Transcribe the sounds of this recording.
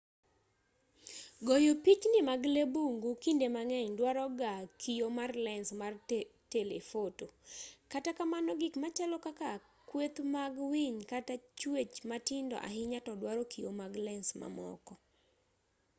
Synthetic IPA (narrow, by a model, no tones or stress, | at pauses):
ɡojopit͡ʃnɪmaɡlebuŋɡukindemaŋɛɲdwaɾɔɡakʰijomarlɛnsmartelefotokatakamanɔɡɪkmat͡ʃalɔkaka | kwet̪maɡwiɲkatat͡ʃwet͡ʃmatɪndɔ̰ʔa̰ɦɪɲatɔdwaɾɔkijomaɡlɛnsma̰mɔ̰kɔ